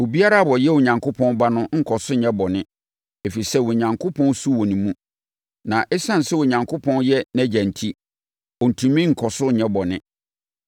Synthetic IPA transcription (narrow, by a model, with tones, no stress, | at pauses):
wo˨bi˦a˦ɾa˦˨bɔ˨jɛ˦wo˨ɲã˨ŋkʰʊ˦pʰɔ̃˦n˦ba˦nʊ̃˦ŋ̩˨kʰɔ˨sʊ˦ɲɛ̃˦bɔ˨nɪ̃˦ | e˨fe˨i˨sɛ˦wɔ˨ɲã˨ŋkʰo˦pʰɔ̃˦n˦su˦wɔ˨nĩ˨mũ˦ | nã˨ʔɛ˦sã˦n̩˨sɛ˦wɔ˨ɲã˨ŋkʰʊ˦pʰɔ̃˦njɛ˦næ˦d͡ʑæ̃˨n̩˨tʰi˦ | ɔ˨n̩˨tʰũ˨mĩ˦ŋ̩˨kʰɔ˨sʊ˦˨ɲɛ̃˦bɔ˨nɪ̃˦